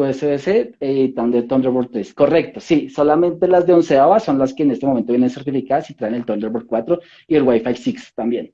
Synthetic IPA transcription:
pweseeseet̪and̪eɾt̪ond̪eɾβoɾt̪ɾesko̞re̞kt̪osiso̞lamẽ̞nt̪e̞lazðe̞unseoaso̞nlaske̞ːne̞st̪emoment̪ojenense̞ɾt̪ifikaðasit̪ɾaenelt̪ond̪eβoɾkwat̪ɾo | ielwajfajsikst̪ambjen

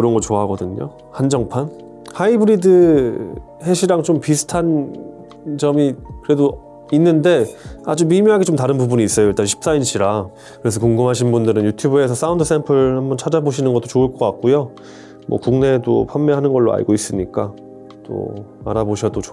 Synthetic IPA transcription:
kɯɾʌnɡʌɭt͡ɕoaɦaɡʌdɯɲo̰ | hand͡ʑʌŋpʰan | haibɯɾidɯ | he̞ɕʰiɾaŋt͡ɕompisʰɯ̥tʰan | t͡ɕʌmikɯɾe̞do | inːɯnde̞ad͡ʑumimiɦaɡet͡ɕomtaɾɯnpubuniːs͈ʌjoiɭt͈anɕʰi̥p̚s͈ainɕʰiɾa | kɯɾe̞sʰʌkoŋɡɯmɦaɕ̬ʰinbundɯɾɯnjutʰjubuesʰʌs͈aundɯs͈empʰɯɾhambʌnt͡ɕʰad͡ʑaboɕ̬ʰinɯnɡʌt͈o̥t͡ɕoɯɭk͈ʌk͈ak̚k͈ujo | mwʌ̰kuŋne̞do̰pʰamːeɦanɯnɡʌɭːoa̰ɭɡois͈ɯmɲik͈a | t͈o̰a̰ɾaboɕʰʌdo

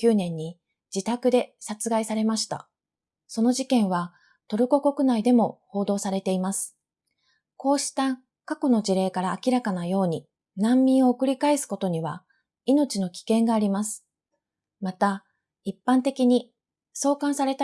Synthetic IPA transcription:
kʲɨːnẽ̞ɲ̟ːi | d͡ʑit̪akɯ̟d̪e̞sat͡sɨɡaisaɾe̞maɕi̥t̪a̰ | so̞no̞ʑikẽ̞ɰ̃βa | t̪o̞ɾɯ̟ko̞ko̞kɯ̟naid̪e̞mo̞ho̞ːd̪o̞ːsaɾe̞t̪e̞imasɨ̥ | ko̞ːɕi̥t̪a | kako̞no̞ʑiɾe̞ːkaɾaːkʲiɾakanajo̞ːɲ̟i | nãmːʲĩɰ̃o̞ːkɯ̟ɾʲikaesɨ̥ko̞t̪o̞ɲ̟iβa | ino̞t͡ɕino̞kʲi̥kẽ̞ŋɡaːɾʲimasɨ̥ | mat̪a | ipːãnt̪e̞kʲiɲ̟i | so̞ːkãɰ̃saɾe̞t̪a

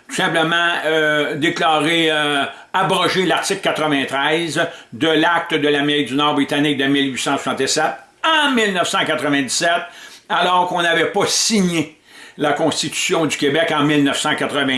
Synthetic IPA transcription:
t̪u̥sɛ̃pləmɑ̃ød̪eklɑːʁe | abʁɔʒelaʁt̪sɪkkːat̪ʁəvɛ̃t̪ʁɛzd̪əlak̚t̪əd̪əlameʁɪk̚d̪ynɔʁbʁit̪anɪk̚d̪əmilɥisɑ̃sw̥u̥sɑ̃t̪esɛt̪̚ | ɑ̃milnəfsɑ̃kat̪ʁəvɛ̃d̪i̥sɛt̪̚alɔːʁkɔ̃navɛpʌsiɲe | lakɔ̃st̪it̪y̥sjɔ̃d̪ykʲebɛkɑ̃milnəfsɑ̃kat̪ʁəvɛ̃

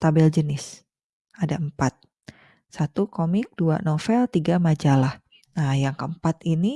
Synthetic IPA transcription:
t̪abɛld͡ʒənɪs | adaəmpat̪̚ | sat̪ukomɪk̚dua̰nofɛlt̪iɡamad͡ʒalah | najaŋkəəmpat̪ini

